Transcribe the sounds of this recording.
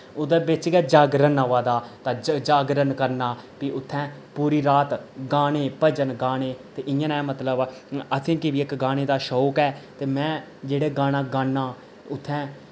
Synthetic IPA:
od̪eːbɪt͡ʃɡɛːd͡ʒaːɡɾənaʋaːd̪aːt̪ãːd͡ʒd͡ʒaːɡɾənkəɾnaːpiːʔʊt̪ʰːɛ̃ː | puːɾiːɾaːt̪ɡaːñeːpəd͡ʒənɡaːɽ̃eːt̪eːʔɪjə̃nɛːmət̪ləbət̪ʰẽːkɪʋiːɪkɡaːɽ̃eːd̪aːʃɔːkɛːt̪eːmɛ̃ː | d͡ʒeːɽeːɡaːñãːɡaːnːãː | ʊt̪ʰːɛ̃ː

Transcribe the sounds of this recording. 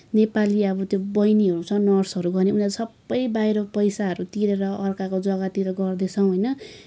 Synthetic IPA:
nepaliʌbʌt̪jobʌjniɦʌɾut͡sʰʌnʌrsɦʌɾuɡʌrneunasʌbːʌjbajɾʌpʌjsaɦʌɾut̪iɾeɾʌʔʌrkakod͡zʌɡat̪iɾʌɡʌrd̪et͡sʰʌ̃w̃ɦʌjnʌ

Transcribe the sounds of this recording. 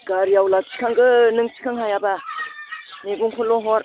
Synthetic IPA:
ɡaɾijawlasʰi̥kʰaŋɡɯnɯŋsʰi̥kʰaŋɦajaba | neɡuŋkʰɔlɔɦɔɾ

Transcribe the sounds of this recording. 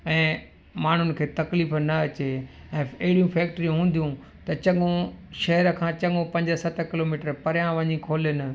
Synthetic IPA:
ɛ̃ː | maːɳ̤ʊnɪ̆kʰeːt̪ɐkliːfnɐɐt͡ɕe | ɛ̃ːɐɦɪɽijũfɛːk̚ʈɾijũɦũːn̆d̪ijũ | t̪ɐt͡ɕɐŋõʃɐɦɛɾəkʰãːt͡ɕɐɠõpɐ̃ɲd͡ʑəsɐt̪ʰkɪloːmiːʈəɾpɐɾjãʋɐ̃ɲikʰoːlenɪ̆

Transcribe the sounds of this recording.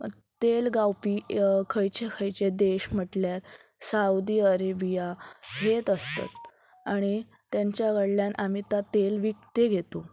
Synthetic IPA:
t̪elɡawpiːkʰəjt͡ɕekʰəjt͡ɕed̪eɕm̤əʈljaɾ | saud̪iːəɾebijaɦet̪əst̪a̰t̪ | aɽ̃i | t̪jaɲt͡ɕjaɡəɽljanʔam̤it̪at̪elʋik̚t̪eɡʱet̪o

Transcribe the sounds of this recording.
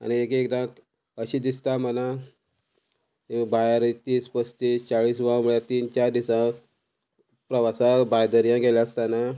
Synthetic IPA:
a̰ñiekekd̪ã | əɕid̪ist̪aməna | bajaɾit̪iːspəst̪iːst͡ɕaɭiːs̬ʋãmuɭjat̪iːnt͡ɕaɾd̪isã | pɾəʋasabajd̪əɾijãɡelast̪ana

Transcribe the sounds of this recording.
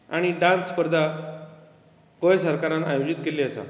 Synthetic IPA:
aɽ̃iɖãnspəɾd̪ʱa | kojsəɾkaɾãnajod͡ʑit̪keleəsa̰

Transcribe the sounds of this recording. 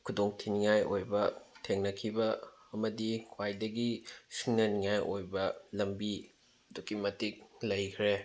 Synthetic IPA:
kʰudoŋtʰiniŋajojbɐtʰeŋnɐkʰibɐ | ɐmɐdikʰwajdɐɡisiŋnɐniŋajʔojbɐlɐmbi | ɐdukimɐtik̚lɐjkʰɾe

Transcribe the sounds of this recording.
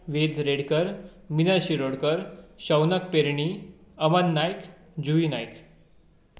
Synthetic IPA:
ʋed̪ɾeɽkəɾ | minəɕiɾoɽkəɾɕəwnək̚peɾɳi | əʋənːajk | d͡ʑuʋinajk

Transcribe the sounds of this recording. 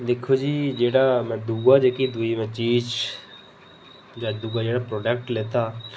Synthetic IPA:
d̪eːkʰoːd͡ʒiːd͡ʒeːɽaːmɛ̃ːd̪uːɡaːd͡ʒeːkid̪uːiːmɛ̃ːt͡ʃiːd͡ʒ | d͡ʒaːd̪uːɡaːd͡ʒeːɽaːpɾɔːɖɛːk̚ʈleːt̪aː

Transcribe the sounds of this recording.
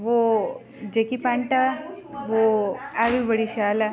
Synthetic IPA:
ʋo | d͡ʑekipãɳʈaʋoaʋibəɽiɕala

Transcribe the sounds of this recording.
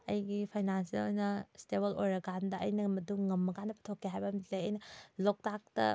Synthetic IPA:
ɐjɡipʰajnansiɐ̰lojnɐsteβɐlojɾɐɡandɐɐjnɐmɐduŋŋɐmːɐkanɐpʰɐ̥tʰokʰːeɦajbɐmitlejɐjnɐlok̚tak̚tɐ̰

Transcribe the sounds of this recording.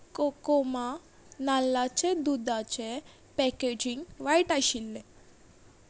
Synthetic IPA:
kokoma | nalːat͡ɕed̪ud̪at͡ɕe | pɛked͡ʑiŋɡʋajʈaɕilːe

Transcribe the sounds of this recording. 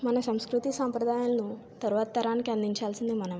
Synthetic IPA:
manasə̃w̃skɾut̪iːsə̃mpɾəd̪ʱajãnːu | t̪əɾʋat̪ːəɾankãnd̪iɲt͡ɕʰalt͡sənd̪emanəʋ

